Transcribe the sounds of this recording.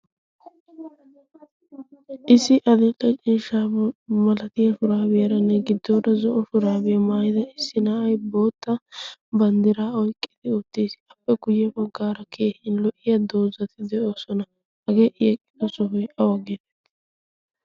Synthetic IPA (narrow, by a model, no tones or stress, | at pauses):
ʔɪsːɪʔɐd̪ɛtʼɛt͡ʃʼiːʃaːmɐlɐt̪ɪjɐfʊɾaːbɪjɐɾɐnːɛɡɪd̪ːoːd̪ɐzɔʔɔfʊɾaːbɪjɐmaːjɪd̪ɐɪsːɪnaʔɐjbo̞ːt̪ːɐbɐnd̪ɪɾaːɔjkʼːɪd̪̥ɪɔt̪ːiːsɪ̥ɐpːɛɡʊjːɛbɐɡːaːɾɐkʰeːhɪnlɔʔɪjɐd̪o̞ːzɐt̪ʰɪd̪ɛʔoːsɔnɐ | hɐɡeːʔɪjɛkʼːɪd̪ɔsɔɦɔjʔɐwɐɡeːt̪ɛ̥t̪ːɪ̥